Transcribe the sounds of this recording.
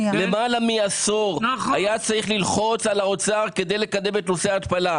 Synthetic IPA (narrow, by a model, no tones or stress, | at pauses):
le̞malamiasoʁajat͡saʁiχlilχo̞t͡salaot͡saʁke̞d̪e̞jle̞kad̪e̞me̞t̪no̞seaːt̪pala